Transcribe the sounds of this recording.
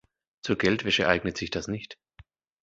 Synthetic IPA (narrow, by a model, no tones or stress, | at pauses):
t͡suːɐɡɛltv̥ɛʃəʔaɪɡnətz̥ɪçd̥asnɪçt